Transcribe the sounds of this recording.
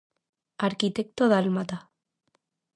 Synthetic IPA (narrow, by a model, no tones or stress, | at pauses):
aɾkit̪ek̚t̪oðalmat̪a